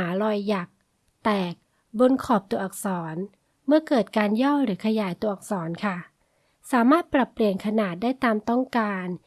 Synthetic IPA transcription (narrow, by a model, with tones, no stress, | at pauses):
aː˩˦ɾɔː˧jːa˨˩k̚ | t̪ɛː˨˩k̚ | bo˧nkʰɔː˨˩p̚t̪u˧ɐʔa˨˩k̚sɔː˩˦n | mɯ˥˩ɐkɤː˨˩t̪̚kaː˧njɔ˥˩wɾɯː˩˦kʰa˧jaː˩˦jt̪u˧əʔa˨˩k̚sɔː˩˦nkʰa˥˩ | saː˩˦maː˥˩t̪̚pɾa˨˩pːɾi˧ənkʰa˧naː˨˩t̪̚daː˥˩jt̪aː˧mt̪ɔ˥˩ŋkaː˧n